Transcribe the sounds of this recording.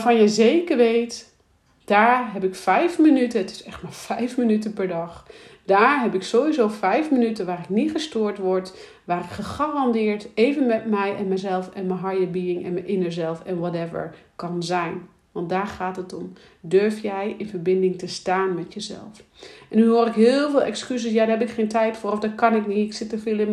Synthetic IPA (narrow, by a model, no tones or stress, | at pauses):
afɑnjəjzejkəɹʋejt | d̥aːɹɦɛpɪkfɛjfmənytənətɪ̥sɛχtmaːɹfɛjfmənytənpɛɹdɑχd̥aːɹɦɛpɪksowʋizowfɛjfmənytənʋaːrɪknitχəstʊːɹtʋɔɹt | ʋaːrɪkχəχaːrɑndɪːɹtejvənmɛtmɛjɛnmɛjzɛlˠfɛnməɦɑjəbiɪŋɛ̰nməjʔɪnəɹzɛlˠfɛnʋɔtɛvə̰ɹkɑnzɛjn | ʋɑnt̚daːɹχaːtɦətɔm | døɹfjɛjɪnvəɹbɪndɪŋtəstaːnmɛtjəzɛ̰lˠfʔɛnːyɦʊːɾɪkɦɪːlˠvɪːlˠɛ̰kskyzəsjaːdaɦɛpɪkχejntɛjtfʊːrɔfdɔkɑnɪkniɪksɪtəfɪːlˠɪ